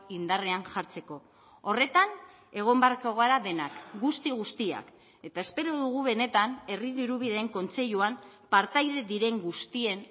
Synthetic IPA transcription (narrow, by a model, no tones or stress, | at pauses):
ind̪are̞aŋʝaɾt͡se̞ko̞ | ore̞t̪an | e̞ɣ̞o̞mbeaɾkoɣoaɾaðe̞nakɡust̪iɣust̪ia̰k | e̞t̪ae̞spe̞ɾo̞ðuɣ̞uβe̞ne̞t̪ane̞riðiɾuβ̞iðeeŋko̞nt͡se̞ʎuampaɾt̪ajðe̞ðiɾe̞ŋɡust̪ie̞n